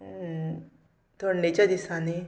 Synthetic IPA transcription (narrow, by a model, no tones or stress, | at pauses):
t̪oɽnet͡ɕjad̪isane